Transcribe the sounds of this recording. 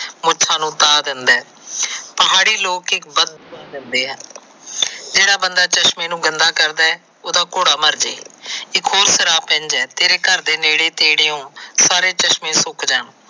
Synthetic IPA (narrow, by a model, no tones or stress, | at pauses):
mʊt͡ʃʰʃʰãːnũːt̪aːd̪ɪnd̪ɛː | pəɦaːɽiːloːkɪkbəd̪̃ːd̪ɪnd̪eːɦɛː | d͡ʒeːɽaːbənd̪aːt͡ʃəʃmẽːnũːɡənd̪aːkəɾd̪aːɛː | oːd̪aːkoːɽaːməɾd͡ʒḛːɪkɦoːɾsəɾaːpɛ̃ɲd͡ʒɛːt̪eːɾeːkəɾd̪eːneːɽeːt̪eːɽeːõːsaːɾeːt͡ʃəʃmẽːsʊkd͡ʒəːɳ